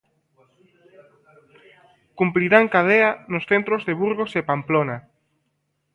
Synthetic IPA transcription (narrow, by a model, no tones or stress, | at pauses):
kumpɾiɾaŋkað̞eanosθent̪ɾozðeβuɾɣosepamplona